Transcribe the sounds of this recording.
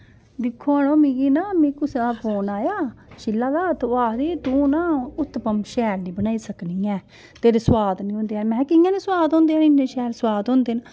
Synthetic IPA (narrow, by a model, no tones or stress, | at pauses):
d̪ɪkʰːoaːnoːmĩːɡiːnaːmĩːkʊsapoːnaːjaːʃɪlːaːd̪aːt̪ʊaːɾiːt̪ũːnãːʊt̪ːpəmʃɛːɾnĩːbənaːiːsəkniːɛ̃ː | t̪eːɾeswaːd̪nĩɦõːnd̪eːɛːmɛ̃ːkɪjãːneːswaːd̪ɦõːnd̪eːãːɪneːʃɛːɾswaːd̪ɦõːnd̪eːn